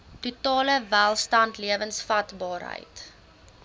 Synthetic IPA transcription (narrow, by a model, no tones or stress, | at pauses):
tutɑːləvælˠstɐntliəvənsfɐtbɑːɾɦə̰jt